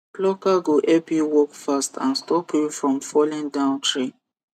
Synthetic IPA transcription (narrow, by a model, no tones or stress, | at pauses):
plɔkaɡoʔɛpiwɔkfastʰãnstʰɔpʰifɹɔ̃mfɔlĩndãʊ̃ntʰɹe